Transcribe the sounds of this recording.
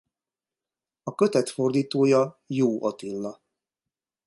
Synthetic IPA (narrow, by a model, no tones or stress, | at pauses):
ɒkø̞t̪ɛt̪fo̞rd̪iːt̪oːjɒjoːʔot̪ilːɒ